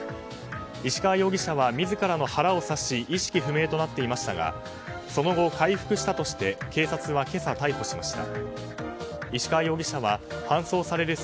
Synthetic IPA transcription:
iɕi̥kaːjo̞ːɡʲiɕaβamʲizɨkaɾano̞haɾao̞saɕiʔiɕi̥kʲiɸɯ̟me̞ːt̪o̞nat̪ːe̞imaɕi̥t̪aɡa̰ | so̞no̞ɡo̞kaiɸɯ̟̥kɯ̟ɕi̥t̪at̪o̞ɕi̥t̪e̞ke̞ːsat͡sɨβake̞sat̪aiho̞ɕimaɕi̥t̪a̰ | iɕi̥kajo̞ːɡʲiɕaβahãɰ̃so̞ːsaɾe̞ɾɯ̟

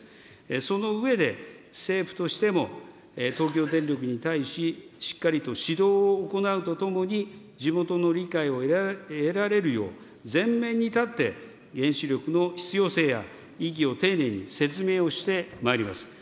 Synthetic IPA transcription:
so̞no̞ɯ̟e̞d̪e̞ | se̞ːɸɯ̟̥t̪o̞ɕi̥t̪e̞mo̞ | t̪o̞ːk̬ʲo̞ːd̪ẽ̞nɾʲjo̞k̬ɯ̟ɲ̟it̪aiɕiɕi̥kːaɾʲit̪o̞ɕid̪o̞ːoːko̞naɯ̟t̪o̞t̪o̞mo̞ɲ̟i | d͡ʑimo̞t̪o̞no̞ɾʲikaio̞e̞ɾaɾe̞ɾɯ̟jo̞̰ː | zẽ̞mːẽ̞ɲ̟ːit̪at̪ːe̞̰ | ɡẽ̞ɰ̃ɕiɾʲo̞kɯ̟no̞çi̥t͡sɨjo̞ːse̞ːja̰ | iɡʲio̞t̪e̞ːne̞ːɲ̟ḭse̞t͡sɨme̞ːo̞ɕi̥t̪e̞maeɾʲima̰sɨ̥

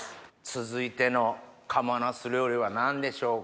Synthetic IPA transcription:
t͡sɨzɨit̪e̞no̞kʰamanasɨɾɯ̟jo̞ɾʲiβanãnd̪e̞ɕo̞ː

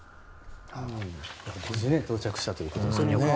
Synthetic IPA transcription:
ad̪ed͡ʑĩnet̪o̞ːt͡ɕakɯ̥ɕi̥t̪at̪o̞jɯ̟kot̪oɲ

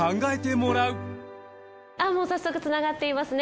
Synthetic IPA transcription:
ãŋɡaet̪e̞mo̞ɾaɯ̟ | amo̞ːsasːo̞kɯ̟t͡sɨnaɡat̪ːe̞imasɨne

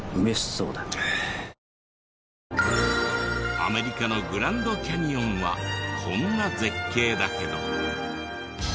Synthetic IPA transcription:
ɯmesi̥so̰ːd̪a | a̰me̞ɾʲikano̞ɡɯ̟ɾãnd̪o̞kʲaɲ̟iõ̞ɰ̃βa̰kʰõ̞nːad͡ze̞kːe̞ːd̪ake̞d̪o̞̰

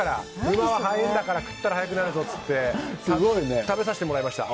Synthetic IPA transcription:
aɾaɯmaβaɦaĩnd̪akaɾakɯ̟̥t̪ːaɾahajak̬ɯ̟naɾɯ̟zo̞t͡sɨ̥t̪ːe̞saɡoinet̪abe̞saɕi̥t̪eoɾaimaɕi̥t̪a̰

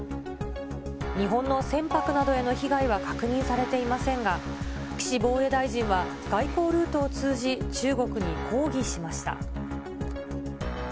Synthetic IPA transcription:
ɲ̟iɦõ̞nːo̞sẽ̞mpakɯ̟nad̪o̞e̞no̞çiɡaiβ̞akḁkɯ̟ɲ̟ĩɰ̃saɾe̞t̪e̞imasẽ̞ŋɡa | kʲi̥ɕibo̞ːe̞d̪aiʑĩɰ̃βa | ɡ̥aiko̞ːɾɯ̟ːt̪o̞ːt͡sɨːʑit͡ɕɨːɡo̞kɯ̟ɲ̟ikʰo̞ːɡʲiɕimaɕi̥t̪a̰

